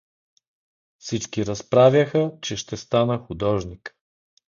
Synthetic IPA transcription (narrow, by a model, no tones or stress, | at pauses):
fsit͡ʃkiɾɐspɾavʲjɐxət͡ʃɛʃt̪ɛst̪anəxʊd̪ɔʒnik